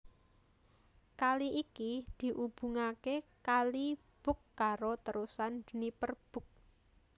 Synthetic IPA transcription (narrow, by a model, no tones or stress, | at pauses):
kaliʔikid̪̥i̤ʔub̥ṳŋakekali | b̥ʊ̤kːaɾot̪əɾusand͡ʒ̥ənipərb̥ʊ̤k̚